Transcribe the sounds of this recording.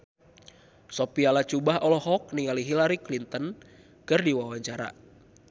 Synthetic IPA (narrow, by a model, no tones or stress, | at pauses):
sɔpialat͡ʃubaɦɔlɔɦɔk̚niŋaliɦilaɾiklint̪ən | kɨrdiwawaɲt͡ʃaɾa̰